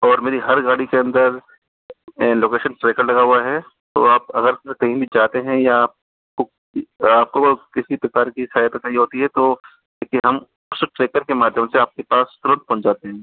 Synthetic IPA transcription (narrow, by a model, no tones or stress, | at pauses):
ɔːɾmeːɾiɦɐɾɡaːɽikeɐ̃nd̪əɾ | loːkeːʃənʈɾeːkəɾlɐɡaɦuaɦɛ | t̪o̰aːpɐɡəɾkɐɦĩbʱid͡ʒaːt̪eɦɛ̃jaaːp̚ | ko | aːp̚kokɪsipɾɐkaːɾkisaːjət̪ɐkɐɦiɦoːt̪iɦɛt̪o | leːkieɦɐm | ʊsʈɾeːkəɾkemaːd̪ʱjəmseaːp̚kepaːst̪ʊɾənt̪̚pɐ̃nd͡ʒaːt̪eɦɛ̃ː